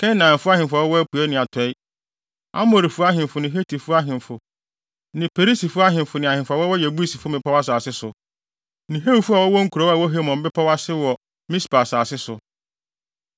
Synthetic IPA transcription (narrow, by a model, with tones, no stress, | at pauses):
kʰɛ̃˦nãː˨m˨fʊ˦a˦hɪ̃˨fʊ˦a˨wɔ˦wɔ˦æ˦pʰu˨ɛ˦nɪ̃˨a˨tʰɛ˨˦ɪ˦ | a̰˦mo˨ɾi˨fʊ˦a˦ɦɪ̃˨m˨fʊ˨nɪ̃˨ɦe˦tʰi˨fʊ˦a˦ɦɪ̃˨m˨fʊ˨ | nɪ̃˨pʰe˨ɾi˦si˨fʊ˦a˦ɦɪ̃˨m˨fʊ˨nɪ̃˨a˨hɪ̃˨nfʊ˨˦a˨wɔ˦wɔ˦jɛ˨bu˦i˦si˨fʊ˦mɪ̃˨pʰa˦wa˦saː˨sɪ˦sʊ˨ | nĩ˨ɦe˦wu˨fu˦a˨wɔ˦wɔ˦ŋ̩˦kʰu˨ɾɔ˦a˨wɔ˦ɦe˦mɔ̃˨m̩˦bɪ˦pʰa˦wa˦sɪ˦wɔ˨ | mĩ˦spa˨saː˨sɪ˦sʊ˨